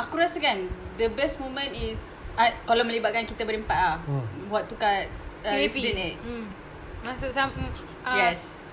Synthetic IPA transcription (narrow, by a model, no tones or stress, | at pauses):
akuɾasəkandəbɛsmõmə̃nis | akalaməlibaʔ̚kankit̪əbəɾimpatlawɔʔ̚t̪ːukat̚əɾɛsidɛnɪt̚ | masuʔsam | jɛs